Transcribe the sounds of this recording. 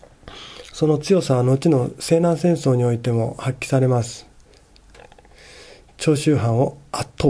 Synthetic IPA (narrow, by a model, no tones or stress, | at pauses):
so̞no̞t͡sɨjo̞saβano̞t͡ɕino̞se̞ːnãɰ̃sẽ̞ɰ̃so̞ːɲ̟io̞it̪e̞mo̞hakʲːi̥saɾe̞masɨ̥ | t͡ɕo̞ːɕɨːɦãɰ̃o̞at̪ʰːo